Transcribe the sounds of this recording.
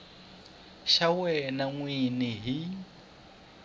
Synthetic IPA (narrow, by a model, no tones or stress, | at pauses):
ʃawɛnaŋwiniɦi